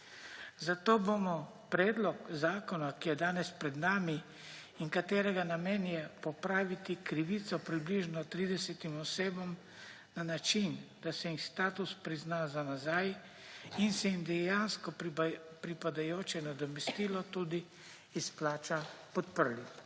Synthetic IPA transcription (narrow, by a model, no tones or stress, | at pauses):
zat̪oːbomɔ | pɾɛːd̪lɔkzaːkɔnakijɛd̪aːnɛspɾɛd̪naːmi | iŋkat̪eːɾɛɡanamɛːnjɛpɔpɾaːʋit̪ikɾiʋit̪sɔpɾibliʒnɔt̪ɾid̪ɛsɛt̪imɔseːbɔm | nanat͡ʃind̪̥asɛixst̪aːt̪uspɾiznaːzanazaːj | insɛimd̪ɛjanskɔpɾipad̪ajoːt͡ʃɛnad̪ɔmɛst̪iːlɔt̪uːd̪iː | splaːt͡ʃapɔt̪̚pəɾli